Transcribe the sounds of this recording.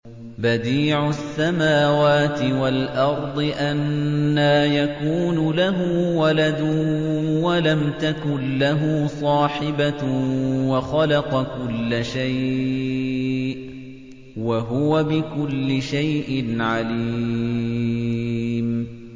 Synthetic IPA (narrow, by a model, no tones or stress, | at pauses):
bad̪iːʕʊsːamaːwaːt̪ɪwalʔɑɾˤd̪ˤɨʔanːaːjakuːnʊlaɦʊːwalad̪ʊwalamt̪akʊnlaɦʊsˤɑːħɪba | waxɑlɑqɑkʊlːaʃaj | ʔ | waɦʊwabɪkʊlːɪʃajʔɪnʕaliː | m